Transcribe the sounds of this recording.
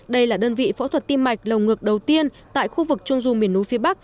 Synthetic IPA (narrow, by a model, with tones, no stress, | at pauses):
ɗə˧jlaː˨˩ɗəː˧nvḭ˧˨fɔ˨˧˦t̪ʰwə˨˩t̚t̪i˧mːa˨˩jk̟̚lə˨˩wŋɨ˨˩ək̚ɗə˨˩wt̪i˧ən | t̪a̰ː˧˨jxu˧vɨ˨˩k̚t͡ɕʊ˧ŋ͡mzu˧˩mi˨˩ənʔu˨˦fi˨˦əɓa˦˥k̚